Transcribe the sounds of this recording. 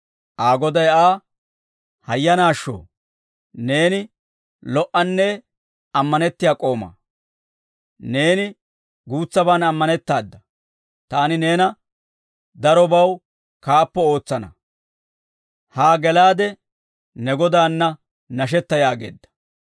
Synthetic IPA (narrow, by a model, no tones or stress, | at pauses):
ʔaːɡɔd̪ɐjaː | hɐjːɐnaːʃːo̰ː | ne̞ːnɪ | lɔʔɐnːɛ | ɐmːɐnɛt̪ːɪjaːkʼo̞ːma̰ː | ne̞ːnɪ | ɡuːt͡sːɐbaːnɐmːɐnɛt̪ːaːd̪ːɐ | t̪aːnɪne̞ːnɐ | d̪ɐɾɔbɐw | kaːpːɔo̞ːt͡sːɐnɐ̰ | haːɡɛlaːd̪ɛ | nɛɡɔd̪aːnːɐ | nɐʃ̬ɛt̪ːɐjaːɡe̞̰ːd̪ːɐ̥